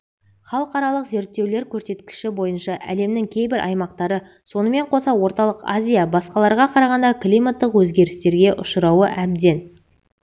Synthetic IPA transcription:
χɑlˠəqɑɾɑlˠəqze̞ɾt̪ːe̞wle̞ɾkʲʰɵɾse̞t̪kʲɪ̥ʃɪbo̞jənʃɑʔæ̰le̞mnɪŋkʲʰe̞jbɪɾʔɑ̰jmɑqt̪ɑɾə | so̞nəme̞ɴqʰo̞sɑwo̞ɾt̪ɑlˠəqa̰zʲijabɑsqɑlˠɑɾʁɑqʰɑɾɑʁɑnd̪ɑklˠijmat̪ːəqwɵzɡʲe̞ɾɪst̪e̞ɾɡʲe̞ʔʊʃəɾɑwəʔæbd̪e̞n

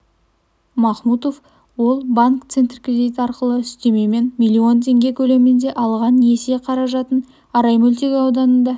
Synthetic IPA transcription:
mɑχmut̪o̞f | wo̞lˠbaŋkt̪se̞nt̪rkʲred̪ijt̪əɑɾqəlˠəɪst̪e̞me̞me̞nmʲijlʲːio̞nt̪ʰe̞ŋɡʲe̞kʲʰɵle̞mɪnd̪e̞ʔɑlˠʁɑnese̞qʰɑɾɑʒɑt̪ən | ɑɾɑjmɵlʲt̪e̞ɡʲɪɑwd̪ɑnənd̪ɑ

